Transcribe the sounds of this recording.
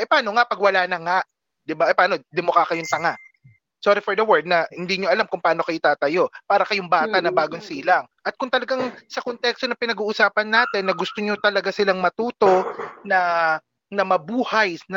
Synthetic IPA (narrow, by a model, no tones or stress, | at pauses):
ʔɛpɐaːno̞ŋapɐɡwɐlaːnɐŋaʔ | d̪ɪbaʔɛpaːnod̪ɪmokakɐjʊŋt̪ɐŋaʔ | soɾɪfɔɹd̪ɐwɛɹd̪̚nɐhɪnd̪iːɲoʔɐlamkʊŋpaːno̞kɐjʊt̪aːt̪ɐjo̞paːɾɐkɐjʊŋbaːt̪ɐnɐbaːɡoŋsiːlɐŋʔɐt̪̚kʊŋt̪ɐlɐɡaŋsɐkont̪ɛkst̪o̞nɐpɪnɐɡuːʔʊsaːpɐnːaːt̪ɛnːɐɡʊst̪oɲot̪ɐlɐɡasɪlaŋmɐt̪uːt̪o̞nɐ | nɐmɐbuːhajnɐ